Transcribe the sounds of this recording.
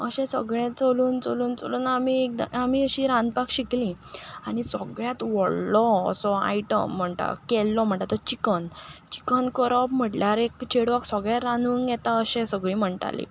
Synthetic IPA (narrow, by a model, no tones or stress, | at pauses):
əɕẽsə̰ɡɭẽt͡soluːnt͡soluːnt͡so̰luːnamiek̚d̪aamiːəɕiɾãnd̪̚pakɕiklĩ | aɽ̃isəɡɭjat̪ʋɔɽlɔə̰sɔa̰iʈə̰m̤ːəɳʈ̪a̰kɛlːɔm̤əɳʈ̪at̪ət͡ɕikənt͡ɕi̥kənkəɾəp̚m̤əʈljaɾekt͡ɕeɽʋaksəɡɭjaɾanuːnjɛt̪aəɕẽsəɡɭĩm̤əɳʈa̰lḭ